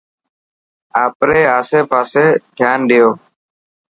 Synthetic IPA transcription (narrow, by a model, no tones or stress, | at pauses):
aːpɾeːaːseːpaːseːkʰjaːnɗɪjoː